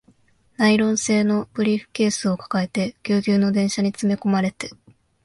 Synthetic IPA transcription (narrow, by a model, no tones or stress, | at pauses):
naiɾõ̞ɰ̃se̞ːno̞b̥ɯ̟ɾʲiɸɯ̟̥ke̞ːsɨo̞kḁkae̞t̪e̞kʲɨːɡʲɨːno̞d̪ẽɰ̃ɕaɲ̟it͡sɨme̞ko̞maɾe̞t̪e̥